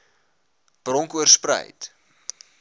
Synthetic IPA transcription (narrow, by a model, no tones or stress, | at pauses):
b̥rɔŋkuərsprə̰jt